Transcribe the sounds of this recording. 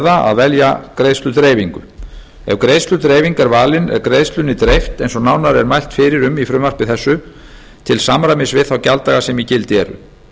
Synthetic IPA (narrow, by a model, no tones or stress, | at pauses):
ðaa̰ðvɛljakɾejst̪lʏt̪ɾeːjviŋkʏ̰ | ɛvkɾeːjst̪lʏt̪ɾeːjviŋkaɾvaːlɪnɛ̰vkɾeːjst̪lʏnɪt̪ɾejft̪ejnsɔnawnaɾɛɾmajl̥t̪fɪːɾɪɾʏmifɾʏmar̥pɪθɛsːʏ | t̪ʰɪlsamɾamɪsvɪðθawcalt̪aɣasɛmicɪlt̪ɪɛ̰ɾʏ̰